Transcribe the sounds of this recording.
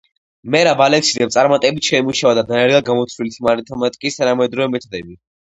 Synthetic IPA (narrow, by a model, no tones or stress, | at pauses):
mɛɾabalɛksid̪ɛpt̪sʼaɾmat̪ʼɛbit̪ʰʃɛimuʃavad̪ad̪anɛɾɡaɡamɔt̪sʰɾilit̪ʰimaɾit̪ʰɔmat̪ʼikʼist̪ʰanamɛd̪ɾɔvɛmɛt̪ʰɔd̪ɛbi